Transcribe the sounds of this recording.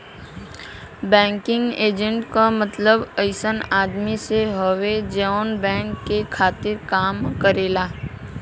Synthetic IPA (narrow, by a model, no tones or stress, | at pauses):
bɛ̃ːŋkɪ̃ŋɡeːd͡ʒə̃ɳʈkamət̪ləbəɪsənaːd̪miseɦɐʋed͡ʒənbɛ̃ːŋkkːekʰaːt̪ɪɾkaːmkəɾeːlaː